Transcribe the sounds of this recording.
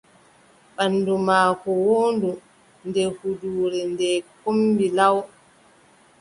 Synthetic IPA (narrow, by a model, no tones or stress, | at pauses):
ɓanːdumaːkɔwoːndu | ndɛhuduːɾɛndɛkombilaw